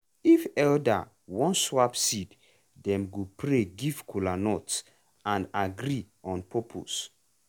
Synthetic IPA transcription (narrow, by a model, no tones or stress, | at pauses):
ifɛlda̰ | wɔ̃nswapsid | dɛ̃mɡupɾeɡivkulanɔts | ãndaɡɾi | ɔ̃npʰɔpʰo̰s